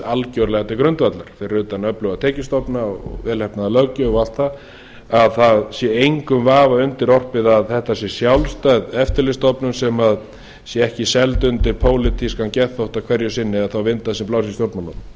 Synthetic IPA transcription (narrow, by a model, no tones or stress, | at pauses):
alcœɥɾlɛɣat̪ɪkɾʏnt̪vat̪laɾ̥θejrːʏːt̪anœplʏɣat̪ʰɛːcɪst̪ɔpnaɔɔ̰ɣvɛːlhɛpnaðalœcːʏal̥t̪θað | aðθaðsjɛejŋkʏmvaːvaʏnt̪ɪɾɔr̥pɪðaðθɛht̪asjɛsjawlst̪œɥðɛft̪ɪɾlɪst̪ɔpnʏnsɛmað | sjɛɛhcɪsɛlt̪ʏnt̪ɪɾpʰoːwlɪt̪ʰiskancɛθowht̪akʰvɛɾjʏsɪnːɪaðθawvɪnt̪asɛmplawsist̪joɾt̪manːɔt̪